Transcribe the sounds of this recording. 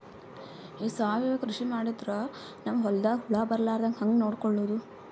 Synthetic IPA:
iːsaːʋiʋɐkɾuʂimaːɽid̪ɾɐ | nɐmɐɦɔld̪aːɦuɭaːbɐɾlaːɾd̪ɐŋkɦɐŋɡnoːɽkɔɭːoːd̪u

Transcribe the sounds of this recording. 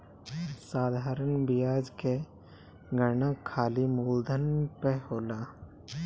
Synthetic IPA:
saːd̪ʱaːɾənbɪjaːd͡ʒke | ɡənakʰːaːlimuːld̪ʱənpeɦoːlaː

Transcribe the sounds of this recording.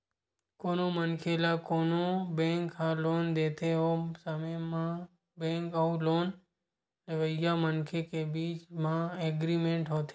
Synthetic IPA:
koːnoːmənkʰelaːkoːnoːbẽːŋkɦãloːnd̪eːt̪ʰeɦosəməjmã | bẽːŋkəũloːn | neʋəɪjaːmənkʰekebiːt͡ʃmãːeːɡɾiːmẽːɳʈɦoːt̪ʰe

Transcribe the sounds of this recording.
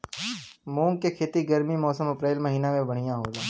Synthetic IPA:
mõːŋkekʰeːt̪iɡəɾmimɔːsəmɐpɾeːlmɐɦiːnamẽbɐɽ̤̃ɪjãɦoːlaː

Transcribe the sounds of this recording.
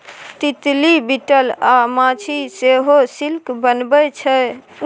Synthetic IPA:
t̪it̪libiʈəlamat͡ʃʰiseɦosilkbənbət͡ʃʰɛ

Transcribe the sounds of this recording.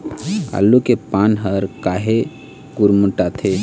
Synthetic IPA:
a̰lːukepanɦəɾkaɦe | kuɾmuʈat̪ʰe

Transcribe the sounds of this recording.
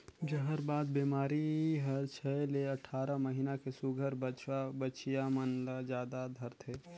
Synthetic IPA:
d͡ʒɐɦəɾbaːd̪beːmaːɾiɦɐɾt͡ʃʰɛleɐʈʰaːɾamɐɦiːnakesʊɡʱəɾbbət͡ʃijamənlad͡ʒjaːd̪ad̪ʱɐɾt̪ʰeː

